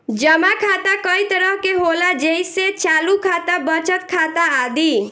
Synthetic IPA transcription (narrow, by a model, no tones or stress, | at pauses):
d͡ʒəmakʰaːt̪akəit̪əɾəɦkeɦolad͡ʒejset͡ʃaːlukʰaːt̪abət͡ʃət̪kʰaːt̪aːd̪i